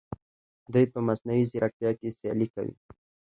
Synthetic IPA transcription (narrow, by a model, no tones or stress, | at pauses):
d̪ujpəmasnawizɪɾak̚t̪jɑkesjɑ̰lika̰wḭ